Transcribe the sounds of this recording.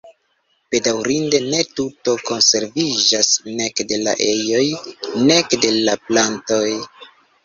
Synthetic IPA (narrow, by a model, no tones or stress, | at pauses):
b̥e̞dawɾinde̞ne̞tuto̞ko̞nse̞ɾvid͡ʒasne̞kde̞la̰ʔejo̞jne̞kde̞laplanto̞j